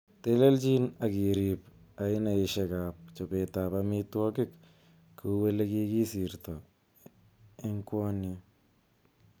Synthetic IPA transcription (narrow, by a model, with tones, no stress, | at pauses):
te˦le˦lt͡ʃi˦na˨ki˨ɾi˨p | a˨ɪ˦na˨ɪ˨ʃekap̚t͡ʃo˨pe˨ta˨pami˦twɔ˦kɪ˦k | kʰu˦we˦le˦ki˦ki˦si˨ɾtɔ˨ | e˦ŋkwɔ˦njɔ